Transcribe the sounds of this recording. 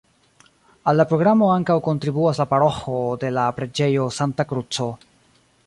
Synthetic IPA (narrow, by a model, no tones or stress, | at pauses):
alːapɾo̞ɡɾamo̞aŋkawko̞ntɾibuaslapaɾo̞xode̞lapɾe̞d͡ʒe̞jo̞santakɾut͡so̞